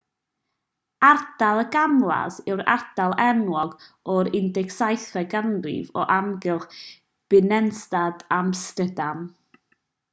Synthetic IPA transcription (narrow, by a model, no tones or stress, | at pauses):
ard̥alˠəɡamlˠa̰zɪwɾa̰rd̥alˠɛnwɔɡɔɾɪndɛksajθɛɡanrɪ̰vɔ̰ʔamɡɪlˠχ | b̥ɪnɛnstadamstədam